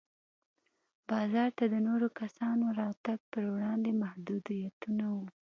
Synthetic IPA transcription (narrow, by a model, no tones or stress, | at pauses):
bɑzɑɾt̪ad̪ənoɾokasɑnoɾɑt̪aɡ̚pəɾwɽɑnd̪emahd̪ud̪ijat̪unawu